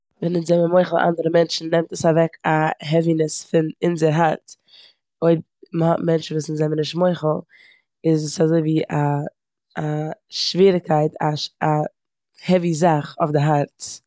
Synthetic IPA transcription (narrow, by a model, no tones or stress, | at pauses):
vɛnɪnzɛməmoɪχl̩ˠʔa̰ndəɾəmɛnt͡ʃn̩ːɛmtəsavɛkaɦɛvinɪsfɪnɪnzəɾɦaɾt | oɪb | məhɔtmɛnt͡ʃn̩vuːsnɪzɛmənɪʃtmoɪχl̩ˠ | ɪzsazoɪviːʔaː | ʃviːɾɪkʰːaɪtʰaa | hɛvizaχɔfdɪɦaɾt